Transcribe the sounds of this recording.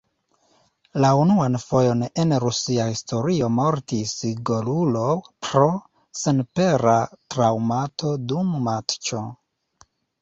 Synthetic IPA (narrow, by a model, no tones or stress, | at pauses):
launuanfo̞jo̞ne̞nɾusiahisto̞ɾio̞mo̞ɾtisɡolulo̞pɾo̞ | senpe̞ɾatɾawmatʰo̞dumːatt͡ʃo